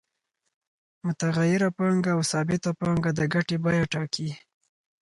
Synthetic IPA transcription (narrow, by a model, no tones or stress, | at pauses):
mʊt̪aɣajɪɾapɑŋɡaːwsɑbɪt̪apɑŋɡad̪əɡaʈebɑjaʈɑki